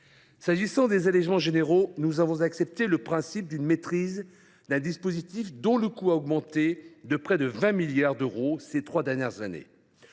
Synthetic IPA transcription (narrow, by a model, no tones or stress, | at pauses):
saʒisɑ̃d̪ezalɛʒmɑ̃ʒeneʁonuzavɔ̃zaksɛp̚t̪eləpχɛ̃sip̚d̪ynmet̪χiz | d̪ɛ̃d̪ispozit̪ifd̪ɔ̃ləkuaɔɡmɑ̃t̪ed̪əpχɛd̪əvɛ̃miljaʁd̪əʁoset̪χwad̪ɛʁnjɛʁzanḛ